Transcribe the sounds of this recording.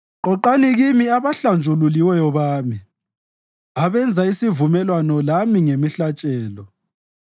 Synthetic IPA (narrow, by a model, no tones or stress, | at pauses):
ǃɔǃaniɣimiaβaɬand͡ʒʱululiwɛjɔβaːmi | aβɛnd͡zʱaisivumɛlwanɔlamiŋemiɬat͡ʃʼɛːlɔ